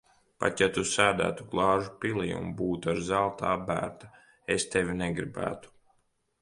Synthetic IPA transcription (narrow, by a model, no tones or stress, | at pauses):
pa̰t̪jat̪usæːd̪æ̰ːt̪uɡlˠɑːʒupilˠḭjṵmbuːt̪aɾzalˠt̪aːbæ̰ːɾt̪a | est̪evʲinɛɡɾibæ̰ːt̪u̥